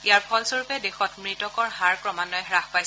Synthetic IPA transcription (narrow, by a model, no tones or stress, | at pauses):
ijaɹpʰɔlsoɹupɛdexɔtmɹitɔkɔɹɦaɹkɹɔmanɔjɦɹaxpajs